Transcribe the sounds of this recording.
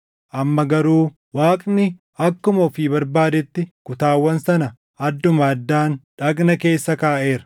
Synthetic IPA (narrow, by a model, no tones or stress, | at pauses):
ʔɐmːɐɡɐɾuː | waːkʼnɪ | ɐkːʊmɔfibɐɾbaːd̪ɛt̪ːɪkʊt̪aːwːɐnsɐnɐ | ɐd̪ːʊmɐːd̪ːaːnᶑɐkʼnɐke̞ːsːɐkaːʔe̞ːɾɐ̥